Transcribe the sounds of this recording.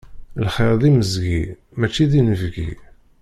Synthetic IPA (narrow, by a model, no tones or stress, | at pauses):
lχɪɾˤðiməzɡi | mæt͡ʃːiðinəvɡḭ